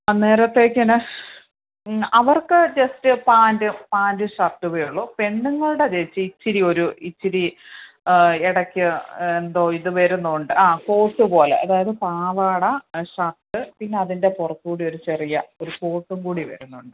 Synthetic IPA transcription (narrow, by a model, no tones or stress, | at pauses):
ɐnːe̞ːɾɐt̪ːe̞ːkʲːɐnɐ | ɐʋɐrkɨd͡ʑɐstɨpaːndɨpaːndɨʂɐrt̪ːuʋejuɭːoːpe̞ɳɖuŋːɐɭuɽed͡ʑet͡ɕːɨit͡ɕːiɾio̞ɾuit͡ɕːiɾi | iɽɐkʲːɨend̪o̞ːiðɨʋɐɾunːuɳɖɨʔaːko̞ːʈːɨpo̞ːlḛʔɐ̰ðaːjɐðɨpaːʋaːɽɐʂɐrtːɨpinːe̞ɐðinde̞purɐt̪ːkuːɽio̞ɾut͡ɕe̞rijɐo̞ɾuko̞ːʈːuŋkuːɽiʋɐ̰ɾunːuɳɖɨ